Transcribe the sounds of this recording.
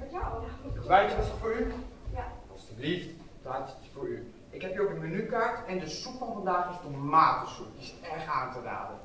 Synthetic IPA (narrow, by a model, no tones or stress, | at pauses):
ʋɛjɪsɔsfoːɹy | ɔsdəlift | taɪstɪ̥sfoːɹy | ɪkhɛpjəokənmənykartɛndəsupfɔnfɔndaːxɪstəmaːtəsupɪsɛrxaːntəda̰ːdə